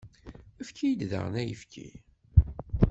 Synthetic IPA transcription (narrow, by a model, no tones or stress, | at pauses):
əfkʰijd̪ðə̰ʁnæjəfkʰḭ